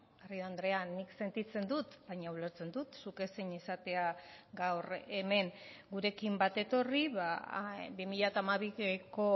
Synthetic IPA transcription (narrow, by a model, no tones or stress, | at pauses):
arioand̪ɾe̞anːikse̞nt̪it͡se̞nd̪ut̪baɲaule̞ɾt͡se̞nd̪ut̪suke̞siɲisat̪e̞aɡawre̞me̞ŋɡuɾe̞kimbat̪e̞t̪o̞riβabimiʎat̪amaβiko̞